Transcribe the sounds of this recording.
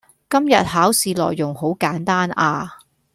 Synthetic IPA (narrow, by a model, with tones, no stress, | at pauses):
kɐ˥mjɐ˨t̚haː˨˥wsiː˨˧lɔ̰ː˨jːʊ˨˩ŋho˨˥wkaː˨˥nt̪aː˥naː˧